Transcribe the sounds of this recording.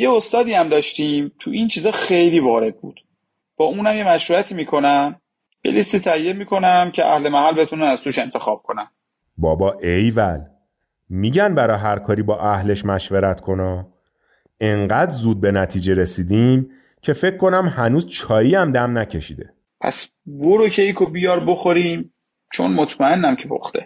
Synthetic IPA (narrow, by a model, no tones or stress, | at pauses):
je̞ost̪ɒːd̪iːæmd̪ɒːʃt̪iːmt̪ʰuʔint͡ʃʰiːzɒːxe̞jliːvɒːɾe̞d̪̚bṵːd̪̥ | b̥ɒːuːnæmje̞mæʃɾuæt̪ʰiːmiːkʰo̞næm | j̥ḛlist̪iːt̪ʰæjːe̞miːkʰo̞næmcʰeʔæ̰hle̞mæhælbe̞t̪ʰunænæz̥t̪uːʃe̞nt̪ʰe̞xɒːb̥̚kʰonæn | bɒːbɒːʔejvæl | miːɟænbæɾɒːɦæɾkʰɒːɾiːbɒːʔæhle̞ʃmæʃveɾæt̪kʰo̞nɒː | e̞ŋɢæd̪zuːd̪̚be̞næt̪ʰiːd͡ʒe̞ɾesiːd̪iːm | cʰe̞fe̞cʰkʰːo̞næmhænuːzt͡ʃʰɒːjiːæmd̪æmnæcʰe̞ʃḭːd̪e̞ | pʰæ̰s | boɾocʰeikʰobijɒːɾboxoɾiːm | t͡ʃʰo̞̰nmot̪ʰmæe̞nːæmcʰe̞pʰo̰xt̪e̞̰